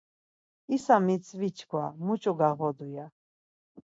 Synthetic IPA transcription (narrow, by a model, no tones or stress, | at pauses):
isamit͡sʼʰvit͡ʃʰkʰwa̰mut͡ʃʼɔɡaʁɔd̪uja